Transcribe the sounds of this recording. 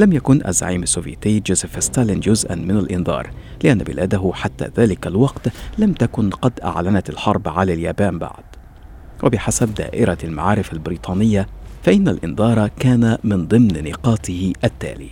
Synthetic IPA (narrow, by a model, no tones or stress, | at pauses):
lamjakʊnʔa̰zːa̰ʕiːmasːuːvjat̪ɪːd͡ʒʊːzɪfɪst̪aːlɪnd͡ʒʊzʔa̰nmɪnalʔɪnd̪ɑ̰ːɾˤ | lɪʔanːabɪ̰lʔaːd̪aɦʊħat̪ːa̰ːðaːlɪkalwɑqt̪lamt̪akʊnqɑd̪ʔa̰ʕlanat̪alħɑɾˤbʕalaːljaːbaːmba̰ʕd̪̚ | wʔabɪħasab̚d̪a̰ːʔɪɾalma̰ʕɑːɾɪfalbɪɾiːt̪ˤɑːnɪjːafaʔɪnːalʔɪnd̪ɑːɾˤɑkaːnamɪnd̪ˤɨmnnɪqɑːt̪ɪhɪʔat̪ːa̰ːlḭː